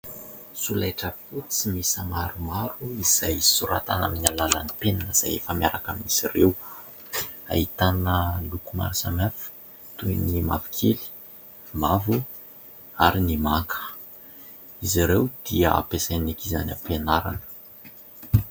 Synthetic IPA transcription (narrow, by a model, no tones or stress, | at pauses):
sulajʈ͡ʂəfut͡simisəmaɾumaɾuiz̥ajsuɾa̰t̪ana̰minalalanipenanəz̥a̰jḛfəmiaɾakamiz̥irew | a̰it̪anəlukuma̰ɾisamafu̥ | t̪ujnimavi̥kʰeli̥ | mavu | aɾinimaŋkʰə̥ | iziɾewd̪̥iəa̰pesanekiza̰na̰mpenaɾa̰nə̥